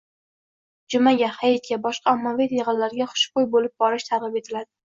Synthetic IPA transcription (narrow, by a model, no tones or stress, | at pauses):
d͡ʒʊmaɡʲahajɪt̪̚kʲabɒʃqʰɑɒmːavit̪ʰeʁɨllːaɾɡʲaχʊ̥ʃqojbolɪp̚bɒɾɪʃt̪ʰaɾʁɨpe̞t̪ʰɪlad̪ɪ